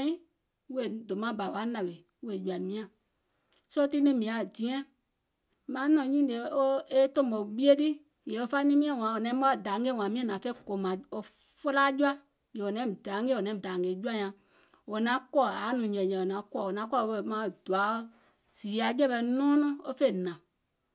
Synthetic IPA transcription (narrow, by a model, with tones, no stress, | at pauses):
ĩ˦ | we˨do˨mã˨˦ba˨wa˦nã˨we˨ | we˨ju˧a˨mĩ˧˦ã˨ | so˦ti˦nĩ˦mĩ˨a˨dĩ˨˦ɛ̃˦ | mãː˨˦nɔ̃˨ɲĩ˦de˨˧˦o˦e˦tõ˦˨mo˨ɓi˦e˦ti˦ | je˨o˧˦fa˦nĩ˦mĩ˦ɛ̃˦˨w̃ã˨o˨nɛ̃˨˦mɔ̃˦˨da˨˦ŋ˦ɡe˦˨wã˨˦mĩ˦ɛ̃˦nã˨fɛ˦ko˨mã˨o˧fo˦la˦d͡ʒu˦a˦ | je˨o˨nɛ̃˨˦˨da˨˦ŋɡe˦˨o˨nɛ̃˨˦˨da˨ŋɡe˨d͡ʒu˦a˦ɲã˧˨ | wo˨nã˨˦kɔ˦˨a˨˦nũ˨ɲɛ̃˨ɲɛ̃˨o˨nã˨˦kɔ˦˨o˨nã˨˦kɔ˦˨˧we˧˨˦mã˧˨d̥u˨a˨˦ | z̥iː˨˦a˨˦d͡ʒɛ˦ɓɛ˧nɔ̃ː˦nɔ̃˦o˦fe˦˨nã˨